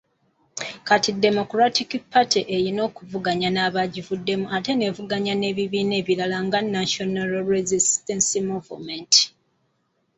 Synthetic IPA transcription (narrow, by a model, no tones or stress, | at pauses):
katidːe̞mo̞kɾatikpatʰiʔejino̞ːkuvuɡaɲanaːβaɟivudːe̞muate̞ne̞vuɡaɲane̞ːβiβiːne̞ːβilalaŋɡanːaʃonalɾezistensimuvumenti̥